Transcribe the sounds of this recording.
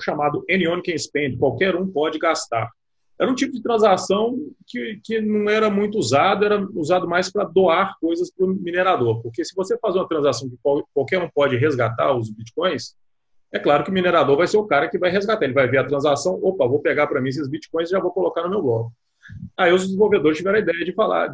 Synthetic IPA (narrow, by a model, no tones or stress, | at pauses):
ʃamad̪ʊẽniõnkẽspẽd͡ʒɪkwawkɛɾũpɔd͡ʒɪɡast̪a̰ɾ | ɛɾũt͡ʃipʊd͡ʒɪt̪ɾɐ̃zasɐ̃w̃kɪkɪnɐ̃w̃ɛɾɐmũj̃t̪ʊuzad̪ʊɛɾɐuzad̪ʊmajspɾɐd̪oaɾkojzɐspɾʊmineɾad̪oɾpoχkesɪvosefazũɐt̪ɾɐ̃zasɐ̃w̃kɪkkwawkɛɾũpɔd͡ʒɪɦezɡat̪a̰ɾʊzbit͡ʃi̥kõj̃s | ɛklaɾʊkɪʊmineɾad̪oɾvajseɾʊkaɾɐkɪvajɦezɡat̪aelɪvajveɾɐt̪ɾɐ̃zasɐ̃w̃opɐvowpeɡaɾpɾɐmĩs̬ɪzbit͡ʃi̥kõj̃s̬ʒavowkolokaɾnʊmewblɔkʊ | aiʊzd͡ʒɪzĩvowved̪oɾɪst͡ʃivɛɾ̃ɐid̪ɛjɐd͡ʒɪfala̰